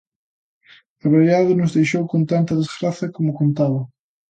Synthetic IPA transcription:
ɐβeɾeðaðɪnʊzðejʃowkont̪ant̪ɐðezɣɾaθjɐkomʊkont̪aβɐ

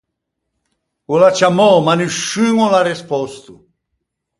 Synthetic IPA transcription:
ulat͡ʃamɔmanuʃyŋɔlarespɔst̪u

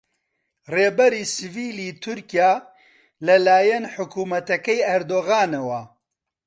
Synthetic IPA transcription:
reːbɛɾiːsɨviːliːt̪ʰʊɾkijaː | lɐlaːjɛnħʊkuːmɐt̪ɐkɛjɛɾd̪oːɣaːnewɐ

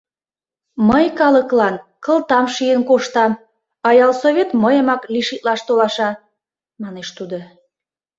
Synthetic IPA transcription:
məjkɑləklɑnkəlt̪ɑmʃijənkoʃt̪ɑm | ɑjɑlsoβʲet̪məjəmɑkliʃit̪lɑʃt̪olɑʃɑ | mɑneʃt̪ud̪o

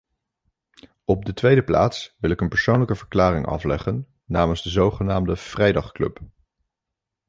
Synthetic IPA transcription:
ɔb̚dətʋejdəpla̰ːtsʋɪlɪkənpəɹsownləkəvəɹklaːrɪŋʔɑ̰flɛχənː | aːmənzdəzowχənaːmdəv̥rɛjdɑχklɵ̰p

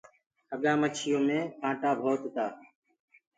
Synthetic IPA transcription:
əɠãːmət͡ʃʰɪjõːmẽːkʰãːʈaːbʱoːt̪t̪aː

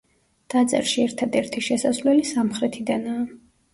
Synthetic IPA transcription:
d̪̥at̪sʼɛ̰ɾʃiɛɾt̪ʰad̪ɛɾt̪ʰiʃɛsasvlɛlisamχɾɛt̪ʰid̪anaː

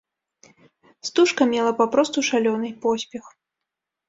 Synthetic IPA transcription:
st̪uʂkɐmʲɛlˠɐpapɾɔst̪uʂalʲɔnɨjpɔsʲpʲɛx

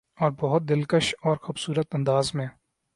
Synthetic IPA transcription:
ɔːɾbɔɦʊt̪̚d̪ɪlkəʃɔːɾxʊbsuːɾət̪ɐ̃nd̪aːzmẽː

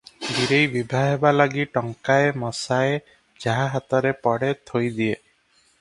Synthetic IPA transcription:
bʱiɾejbibʱaɦebalaɡiʈɔŋkaemɔsae | d͡ʒaɦaɦat̪ɔɾepɔɽet̪ʰojd̪ie

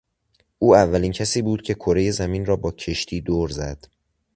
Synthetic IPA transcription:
ʔuːævːæliːncʰæsiːbuːd̪̥cʰe̞kʰoɾe̞je̞zæminrɒːbɒːcʰe̞ʃt̪ʰiːd̪oːɾzæd̪̥

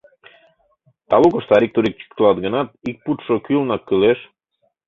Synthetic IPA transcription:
t̪ɑlukoʃt̪ɑɾik̚t̪oɾik̚t͡ʃi̥k̚t̪lˠɑt̪̚ɡə̆nɑt̪̚ik̚put̪ʃokylnɑkːyleʃ

